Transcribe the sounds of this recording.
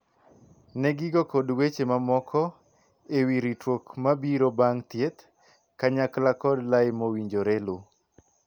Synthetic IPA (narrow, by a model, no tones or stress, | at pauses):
nɛɡɪɡɔkodwet͡ʃemamɔkʰɔ | ewiɾitwokmabiɾobaŋt̪jet̪ | kaɲaklakɔdlajmowiɲd͡ʒoɾelu